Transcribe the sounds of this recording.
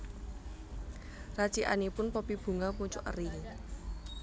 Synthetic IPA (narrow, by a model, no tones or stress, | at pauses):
rat͡ʃiʔa̰nipʊnpəpib̥ṳŋapuɲt͡ʃʊ̰ʔə̰ri